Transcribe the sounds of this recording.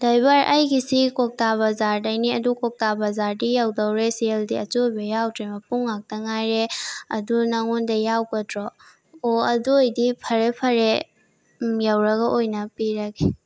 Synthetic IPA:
d̥ajbaɾʔajɡisikɔk̚taβɐzaɾdajniɐdukɔk̚tabɐzaɾdijawdɐwɾesieldiɐtojbɐjawtʰɾemɐpuŋːak̚tɐŋajɾeɐdunaŋundɐjawkɐdɾɔː | ɐdojdipʰɐɾepʰɐɾe | jawɾɐɡɐʔojnɐpiɾɐɡi

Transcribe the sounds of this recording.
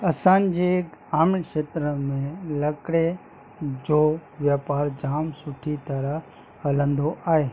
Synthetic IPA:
ɐsãːnd͡ʑekaːmɪkʃeːt̪ɾəmẽlɐkɽe | d͡ʑoːʋjaːpaːɾd͡ʒaːmsʊʈʰit̪ɐɾəɦ | ɐlə̃nd̪oʔaːɦeː

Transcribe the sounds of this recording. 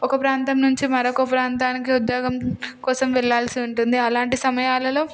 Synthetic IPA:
ɔkɐpɾaːnt̪ɐmnuɲt͡ʃimɐɾokɐpɾaːnt̪aːnikiud̪jɔːɡɐmkɔːsɐmʋɛɭːaːlsiuɳʈund̪iɐlaːɳʈisɐmɐjaːlɐlo̞ː

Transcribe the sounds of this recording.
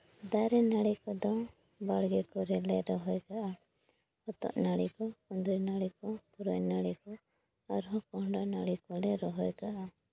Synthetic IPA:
d̪aɾɛnaɽikɔd̪ɔ | baɽɡɛkɔɾɛlɛɾɔɦɔjkaʔa | hɔt̪ɔ̰ʔnaɽikɔɔnd̪ɾinaɽikɔpuɾɔɲnaɽikɔ | aɾɦɔ̃kɔɦɳɖanaɽikɔlɛɾɔɦɔjkaʔa

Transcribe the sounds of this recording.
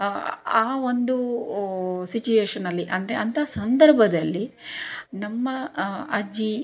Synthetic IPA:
aːʋond̪u | sit͡ʃueːʂɐnːɐlːiʔɐnd̪ɐɾe̞ɐnt̪ʰɐaːsɐnd̪ɐɾbʱɐd̪ɐlːi | nɐmːɐɐd͡ʒi

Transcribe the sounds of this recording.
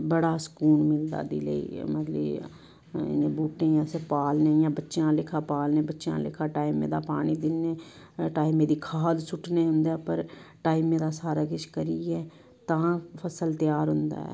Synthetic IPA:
bəɽaːsə̥kuːnmɪld̪a̰ːd̪ḭːlə̰ḭːmət̪lə | ɪ̰nẽːbuːʈẽːjãːseːpaːlnẽːjãːbətːʃjãːlɪkʰaːpaːlnẽːbətːʃjã̰ːlɪ̰kʰaːʈaːimḛ̃ːd̪a̰ːpaːɽ̃iːd̪ɪnːeːʈaːimẽːd̪iːkʰaːd̪sʊʈʰneːɦʊ̃nd̪ɛːpəɾʈaːimẽːd̪aːsaːɾaːkɪt͡ʃkəɾiːɛː | t̪ãːpʰəsəlt̪ɪjaːɾɦʊnd̪a̰ːɛ̰ː

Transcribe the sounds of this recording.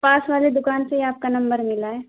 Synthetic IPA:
paːsʋaːled̪ʊkaːnseiaːp̚kanɐ̃mbəɾmɪlaɦɛː

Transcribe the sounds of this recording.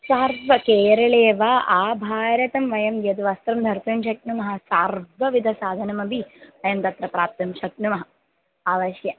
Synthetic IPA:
saːɾbʋɐkeːɾɐɭeːʋaʔaːbʱaːɾjɐt̪ɐmʋɐjɐmjɐd̪ʋɐst̪ɾɐmd̪ʱɐɾt̪ɐmʃɐk̚numɐɦɐsaːɾbɐʋid̪ʱɐsaːd̪ʱɐnɐmɐbʱiʋɐjɐmt̪ɐt̪ɾɐpɾaːp̚t̪ɐmʃɐknumɐɦɐ | aːʋɐʃjɐ

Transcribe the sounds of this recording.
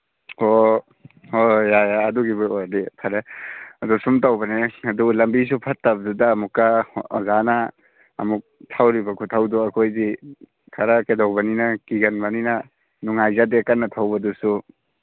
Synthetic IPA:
o | ojajaːduɡibdepʰaɾeɐdusumtawbɐneɐdulɐmbis̬upʰɐtːabɐdudaːmukːazana̰ː | muk̚tʰawɾibɐkʰutʰawduɐkʰojdi | kʰaɾakedawbaninakiɡɐnbanina | nuŋajzadekanːɐtʰawbɐdusu

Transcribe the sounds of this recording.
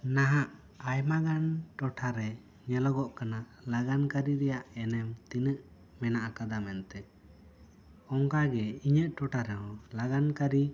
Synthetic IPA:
naɦaʔ | ajmaɡanʈɔʈʰaɾɛ | ɲɛlɔɡɔʔkana | laɡankaɾiɾɛjaʔɛnɛmt̪inəʔ | mɛnaʔakad̪amɛnt̪ɛ | ɔŋkaɡɛiɲəʔʈɔʈʰaɾɛɦɔ̃laɡankaɾi

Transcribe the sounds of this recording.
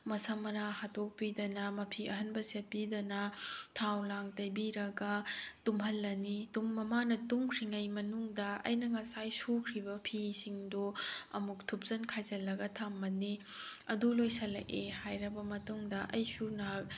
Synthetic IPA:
mɐsamɐnahatok̚pidɐnɐmɐpʰiɐɦɐnbɐset̚pidɐnɐtʰawlaŋtɐjbiɾɐɡɐtumɦɐlːɐnitumːɐmanɐtuŋkʰɾiŋɐjmɐnuŋdɐɐ̰jnɐŋɐsajsukʰɾibɐpʰisiŋdoɐ̰muk̚tʰup̚zɐnkʰajzɐlːɐɡɐtʰamːɐni | ɐdulojsɐlɐ̰ʔehajɾɐbɐmɐtuŋdɐʔɐ̰jsuna

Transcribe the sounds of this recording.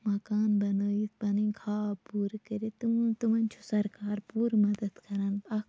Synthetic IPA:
mɐkaːnbɐnəːit̪bɐnikʰaːpuːɾkɐɾet̪ut̪umɐnʲt͡ʃʰu̥sɐɾkaːɾpuːɾmɐd̪ɐd̪kɐɾɐnɐk

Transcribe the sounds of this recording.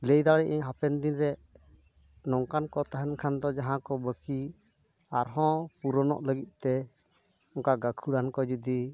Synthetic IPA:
ləjd̪aɽɛʔiɦapɛnd̪inɾɛ | nɔŋkankɔt̪aɦɛnkʰand̪ɔd͡ʒaɦãkɔbəki | aɾɦɔ̃puɾɔnɔ̰ʔləɡit̪̚ˀt̪ɛ | ɔŋkaɡakʰuɽankɔd͡ʒud̪i

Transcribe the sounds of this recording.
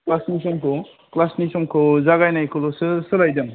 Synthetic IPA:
klasnis̬ɔmkʰɯ | klasnisɔmkʰɯzaɡajnajkʰɯlɔsɯsɯlajdɯŋ

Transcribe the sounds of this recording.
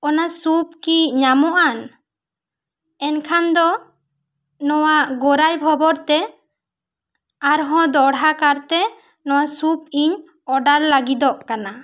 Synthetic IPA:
ɔnasupkiɲamɔʔan | ɛnkʰand̪ɔ | nɔwaʔɡɔɾajbʱɔbɔɾt̪ɛ | aɾɦɔ̃d̪ɔɽɦakaɾt̪ɛ | nɔwasup̚iɲ | ɔɖaɾlaɡid̪ɔʔkana

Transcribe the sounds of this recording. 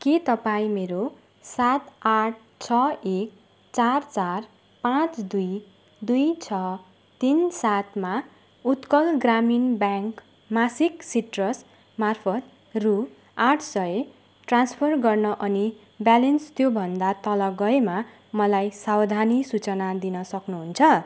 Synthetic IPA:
kit̪ʌpaĩmeɾo | sat̪aʈ̚ʰ | t͡sʰʌek̚ | t͡sart͡sar | pãt͡sd̪uj | d̪ujt͡sʰʌ | t̪insat̪ma | ut̪kʌlɡraminbjaŋk | masiksiʈrʌs | marpʰʌt̪ | ru | aʈʰsʌe | ʈranspʰʌrɡʌrnʌʔʌni | bjalenst̪jobʱʌnd̪at̪ʌlʌɡʌema | mʌlajsawd̪ʱanisut͡sʌnad̪inʌsʌknuɦunt͡sʰʌ

